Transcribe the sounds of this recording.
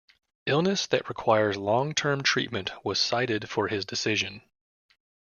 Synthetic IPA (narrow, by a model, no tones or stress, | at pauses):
ɪlˠnɨsðɨʔɹɨkʰw̥aɪə˞zlɔ̃ŋtʰɜ̃˞mtʰɹ̥ḭt̚mɨ̃nʔwʌz̥saɪɾɨd̥fə˞ɪzdɨsɪʒɨ̃n